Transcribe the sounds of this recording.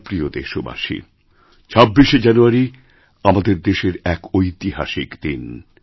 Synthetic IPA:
pɾiod̪eʃoba̰ʃḭ | t͡ɕʰabːiʃed͡ʑanuaɾi | amad̪eɾd̪eʃeɾɛkojt̪iɦa̰ʃikd̪in

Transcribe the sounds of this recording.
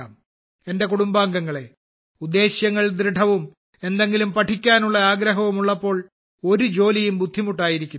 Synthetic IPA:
a̰ːm | e̞nde̞kuɽumbaːŋɡɐŋːɐɭe̞ | ud̪ːe̞ːɕjɐŋːɐɭd̪ɾɨɖʰʱɐʋum | e̞nd̪e̞ŋɡilumpɐʈʰikʲːaːnuɭːɐaːɡɾɐɦɐʋumuɭːɐpːo̞ːɭ | o̞ɾud͡ʑo̞ːlijumbud̪ʱːimuʈːaːjiɾikʲːu

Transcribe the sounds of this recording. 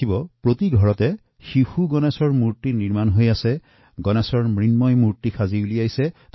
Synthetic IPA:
ibɔpɹotiɡʱɔɹɔtɛ | xixuɡɔnɛsɔɹmuɹtiniɹmanɦojasɛ | ɡɔnɛsɔɹmɹinmɔjmuɹtikʰazibuliajsɛt

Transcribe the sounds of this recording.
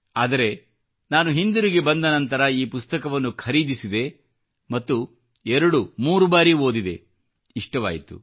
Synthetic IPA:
aːd̪ɐɾe̞ | naːnuɦind̪uɾiɡe̞bɐnd̪ɐnɐnt̪ɐɾɐiːpust̪ɐkɐʋɐnːukʰɐɾiːd̪isid̪e̞ | mɐt̪ːu | ɛɾɐɽumuːɾubaːɾio̞ːd̪id̪e̞̰ | iʂʈɐʋa̰ːjit̪ṵ

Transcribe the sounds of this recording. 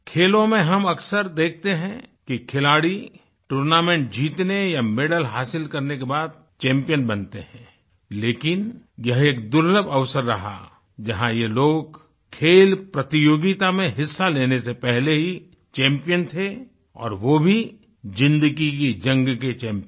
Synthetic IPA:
kʰeːlõmẽɦɐmɐksəɾd̪eːk̚ʰt̪eɦɛ̃kikʰɪlaːɽi | ʈuːɾnaːmẽːɳʈ̚d͡ʒiːt̪nejamɪɖəlɦaːsɪlkɐɾnekebaːd̪̚ | t͡ʃɛ̃ːmpijənbɐnt̪eɦɛ̃ː | leːkɪnjɐɦeːk̚d̪ʊɾləbɐʋsəɾːɐɦa̰ | d͡ʒɐɦãjeloːɡ | kʰeːlpɾɐt̪ɪjoːɡɪt̪amẽɦɪsːaleːnesepɛɦleɦi | t͡ʃɛ̃ːmpijənt̪ʰe | ɔ̰ːɾʋobʱi | zɪ̃nd̪əɡikid͡ʒɐ̃ŋɡket͡ʃɛ̃ːmp

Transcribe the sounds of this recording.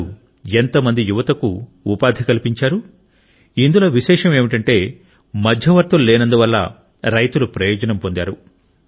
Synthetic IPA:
u | e̞nt̪ɐmɐnd̪ijuʋɐt̪ɐkuː | paːd̪ʱikɐlipiɲt͡ʃaːɾu | ind̪uloːʋiʃɛːʂɐme̞ːmiʈɐɳʈe̞ː | mɐd̪ʱjɐʋɐɾt̪ɐllːɛːnɐnd̪uʋɐlːɐ̰ | ɾɐjt̪ulupɾɐjɔːd͡ʒɐnɐmpo̞nd̪a̰ːɾu

